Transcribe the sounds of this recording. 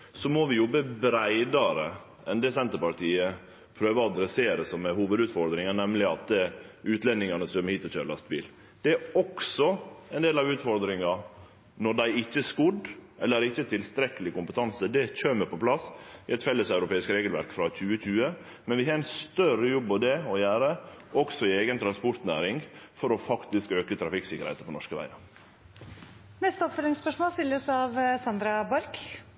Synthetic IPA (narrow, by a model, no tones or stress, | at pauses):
sɔmɔʋɪjɔbːəbɾæɪd̪ɑɾə | ʔɛnd̪ɛsɛnt̪əɾpɑɾʈʰiːə | pʰɾøːʋəɑd̪ɾɛseːɾəsɔmɛhuːʋəd̪ʉːt̪fɔɾd̪ɾɪŋɑnɛmːlɪɑt̪ʉːt̪lɛnd̪ɪŋɑnəsd̪œmːəɾhiːt̪ɔçøːɾəlɑ̰st̪bḭːl | d̪̥ɛæɾɔksɔɛnd̪eːlɑʋʉːt̪fɔɾd̪ɾɪŋɑ | nɔɖ̪æɪɪçːəskʊd̪ʔɛlːəɾɪçːət̪ʰɪlst̪ɾɛkəlɪkʊmpət̪ʰɑnsəd̪ɛc͡çøːməpɔpʰlɑsɪɛt̪fɛlːəsɑʉɾʊpeːɪskɾeːɡəlʋæ̰ɾkfɾɑçʉːəc͡çʉːə | mɛnʋɪhɑɾɛnst̪œɾəjɔbːɑʋd̪ɛɔjæːɾəʔɔksɔɪeːɡənt̪ʰɾɑnspɔɾt̪næ̰ːɾɪŋfɔɾɔfɑkt̪ɪskøːkət̪ʰɾɑfɪksɪkːəɾhḛt̪əpʰɔnɔʂkəʋæ̰ɪɑɾ | nɛst̪əɔpfœlɪŋspœʂmoːst̪ɪlːəsɑʋsɑnd̪ɾɑbɑɾk